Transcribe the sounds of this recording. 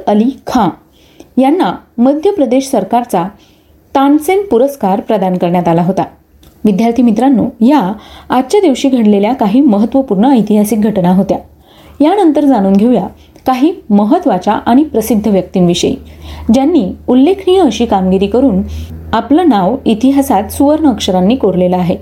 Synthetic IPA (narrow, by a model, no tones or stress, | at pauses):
əlikʰã | janːaməd̪ʱjəpɾəd̪eɕsəɾkaɾt͡sa | t̪ansenpuɾəskaɾpɾəd̪ankəɾɳjat̪alaɦot̪a | ʋid̪jaɾt̪ʰiːmit̪ɾanːo̰jaat̪t͡ɕjad̪iʋɕiːɡʱəɽleljakaɦiːməɦət̪ːʋəpuɾɳəːjt̪iɦasik̚ɡʱəʈnaɦot̪ja | janənt̪əɾd͡zaɽ̃uːnɡʱeʋja | kaɦiːməɦət̪ʋat͡ɕaʔaɽ̃ipɾəsid̪ʱːəʋjək̚t̪iːnʋiɕə̰j̰d͡ʑjanːiːulːekʰnijəəɕiːkamɡiɾiːkəɾuːnaplənaʋit̪iɦasat̪suʋəɾɳəkʂəɾanːiːkoɾleləaɦe